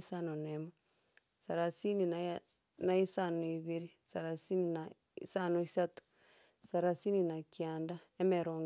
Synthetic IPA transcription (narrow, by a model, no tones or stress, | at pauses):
sanonemo | saɾasini | naisanoiβiɾisaɾasinina | isanoisatu̥ | saɾasininakianda | emɛɾoŋ